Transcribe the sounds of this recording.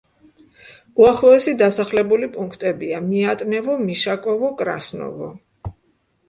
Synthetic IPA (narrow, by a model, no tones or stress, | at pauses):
uaχlˠɔɛsid̪asaχlɛbulipʼuŋkʰt̪ʼɛbiamiat̪ʼnɛvɔmiʃakʼɔvɔkʼɾa̰snɔ̰vɔ̰